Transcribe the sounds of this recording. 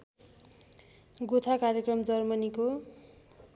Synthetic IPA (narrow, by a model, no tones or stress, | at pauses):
ɡot̪ʰakarjekrʌmd͡zʌrmʌniko